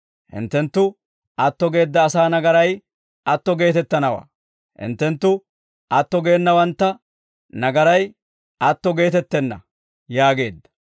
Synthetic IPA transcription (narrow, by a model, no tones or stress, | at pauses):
hɪ̰nt̪ːɛnt̪ːʊ | ɐt̪ːɔɡe̞ːd̪ːɐːsaːnɐɡɐɾɐj | ʔɐt̪ːɔɡe̞ːt̪ɛt̪ːɐnɐwa̰ː | hɪ̰nt̪ːɛnt̪ːʊ | ɐt̪ːɔɡe̞ːnːɐwɐnt̪ːɐ | nɐɡɐɾɐj | ɐt̪ːɔɡe̞ːt̪ɛt̪ːɛnːɐ̰ | jaːɡe̞ːd̪ːɐ̥